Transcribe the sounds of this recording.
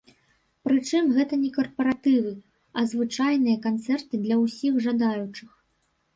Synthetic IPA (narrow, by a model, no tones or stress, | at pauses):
pɾɨt͡ʂɨmɣɛt̪ɐnʲɛkɐrpɐɾat̪ɨvɨ | ɐzvɨt͡ʂajnɨjɐkant̪sɛrt̪ɨd̪lʲɐwsʲiɣʐad̪ajut͡ʂɨx